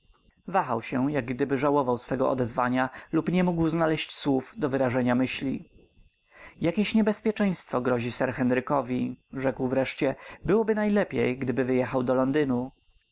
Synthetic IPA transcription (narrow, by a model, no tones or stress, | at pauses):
vaxa̰wɕɛjaɡ̚ɡd̪ɘbɘʐawɔvawsfɛɡɔɔ̰d̪ɛzvaɲalupɲɛmuɡwznalɛɕt͡ɕswufd̪ɔvɘɾaʐɛɲamɘɕlʲḭ | jakʲeɕɲɛbɛspʲjɛt͡ʂɛ̃j̃st̪fɔɡɾɔʑisɛɾxɛnɾɘkɔvʲiʐɛkwvɾɛʂt͡ɕɛbɘwɔbɘnajlɛpʲjejɡd̪ɘbɘvɘjɛxawd̪ɔlɔnd̪ɘnu